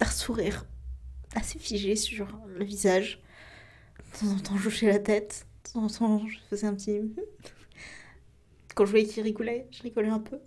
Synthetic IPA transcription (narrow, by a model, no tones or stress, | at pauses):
fɛʁsuʁiːʁ | asefiʒesyʁləvizaʒ | t̪ʰɑ̃zɑ̃t̪ɑ̃ʒoʃɛlat̪ɛt̪t̪ɑ̃zɑ̃t̪ɑ̃ʒəfəzɛɛ̃pət̪i | kɑ̃ʒəvwjɛkʲilʁiɡɔlɛʒəʁiɡɔlɛɛ̃pø